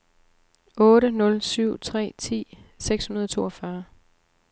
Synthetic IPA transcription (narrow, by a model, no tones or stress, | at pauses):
ɔ̽ːɾənɔ̽lsyʊ̰t͡sʰʁɛ̰ːt͡sʰḭːseɡ̥shunɐðˠt͡sʰo̝ːɒfɶɐ